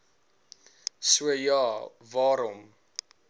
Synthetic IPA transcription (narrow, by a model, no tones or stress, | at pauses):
suəjɑː | vɑːɾɔm